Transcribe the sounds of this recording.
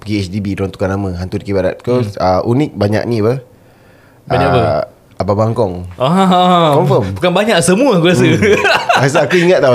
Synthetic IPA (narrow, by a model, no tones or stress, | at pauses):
pɡiɛsdibidɾɔŋt̪u̥kanamə̃ɦant̪udkibada̰t̪̚koəʔunik̚baɲa̰ʔnĩapə | aɲapə | ababaŋkɔŋãkɔmfɔmbukanbaɲaʔsəmũəkuas̬ə | asaakuiŋat̪̚ːa